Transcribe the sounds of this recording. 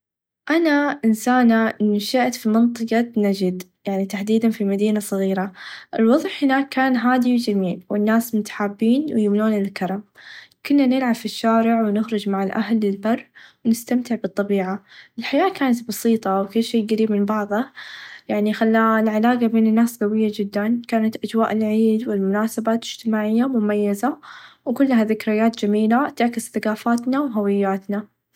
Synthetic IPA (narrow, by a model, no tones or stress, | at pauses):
ʔanaʔɪnsaːnaʔɪnːuʃɪʔt̪fimɨnt̪ˤɨqɑt̪nad͡ʒɪd̪ | jaʕnit̪aħd̪iːd̪anfimad̪iːnasˤɨɣiːɾaʔɪlwɑðˤħhɪnaːkːaːnɦaːd̪iwd͡ʒamiːlwɪnːaːsmʊt̪ḁħaːbːiːnwjʊmnuːnɪɪlkɑɾˤɑmkʊnːanɪlʕabfiʃːaːɾɪʕwnɪxɾˤʊd͡ʒmaʕɪlʔa̰ɦlːɪlbɑrˤːwnɪst̪amt̪ɪʕbɨt̪ˤːɑbiːʕaʔɪlħajaːkaːnat̪bɑsiːt̪ˤɑwkʊlːʃeːɡaɾiːbmɪnbɑʕðˤɑjaʕnixalːalʕalaːɡabeːnɪnːaːsɡawɪjːad͡ʒɪd̪ːankaːnat̪ʔad͡ʒwa̰ːʔɪlʕiːd̪wɪlmʊnaːsabaːt̪ɪd͡ʒ̥t̪ɪmaːʕɪjːamʊmajːazawkʊlːɦaðɪkɾɪjːaːt̪d͡ʒamiːlat̪ɪʕkɪzθaɡaːfaːt̪nawɦawɪjːaːt̪na